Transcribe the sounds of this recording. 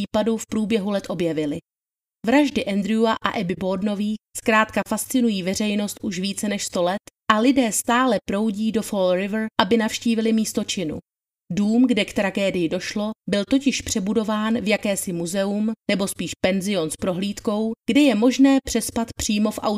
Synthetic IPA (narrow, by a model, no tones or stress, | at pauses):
iːpadufpɾuːbjɛɦulɛt̪ʔo̞bjɛvɪlɪ | vɾaʒdɪʔɛnd̪ɾɪuaʔa̰ʔɛbɪbo̞dno̞viːskɾaːt̪kafast͡sɪnujiːvɛr̝ɛjno̞st̪ʔuʃviːt͡sɛnɛʃst̪o̞lɛt̪ʔalɪdɛːst̪aːlɛpɾo̞wɟiːdo̞folɾɪvrʔabɪnafʃciːvɪlɪmiːst̪o̞t͡ʃɪnṵ | duːmɡdɛkt̪ɾaɡɛːdɪjɪdo̞ʃlo̞bɪlt̪o̞cɪʃpr̝̥ɛbudo̞vaːnvjakɛːsɪmuzɛumnɛbo̞spiːʃpɛnzɪo̞nspɾo̞ɦliːt̪ko̞wɡ̥dɛjɛmo̞ʒnɛːpr̝̥ɛspat̪pr̝̥iːmo̞fʔa̰w